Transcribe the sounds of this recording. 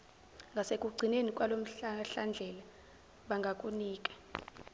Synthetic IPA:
ŋɡʱasekʼuɡ͡ǀʱinenikʼwalom̩ɬand͡ɮʱɛla | ɓaŋɡʱakʼuniːkʼḁ

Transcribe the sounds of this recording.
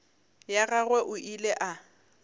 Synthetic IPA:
jaɣaɣwɛʔʊʔilɛʔa

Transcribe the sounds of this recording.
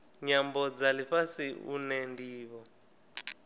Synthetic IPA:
ɲambɔd͡zaliɸasiṵnɛndiːβɔ

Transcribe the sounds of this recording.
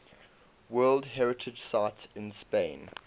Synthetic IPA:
wɜːlˠdɦɛɹɪtʰɪd͡ʒsaɪtsɪ̃nspẽɪ̃n

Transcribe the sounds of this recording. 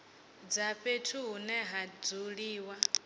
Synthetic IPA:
d͡zaɸetʰuɦunɛɦad͡zuɺiːwa

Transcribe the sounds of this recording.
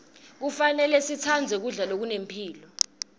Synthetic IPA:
k̬ufanɛlɛsit͡sʰand͡zʱɛk̬uɮalok̬unempʰiːlɔ

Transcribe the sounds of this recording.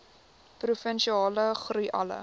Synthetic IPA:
prufənʃiɑːləχrujʔɐ̰lə̰

